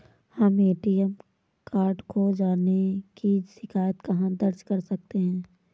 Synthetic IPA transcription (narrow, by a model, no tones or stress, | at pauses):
hɐmeːʈiəm | kaːɾɖkod͡ʒaːnekiʃɪkʰaːjət̪kɐɦãd̪ɐɾd͡ʒkɐɾsɐk̚t̪eɦɛ̃ː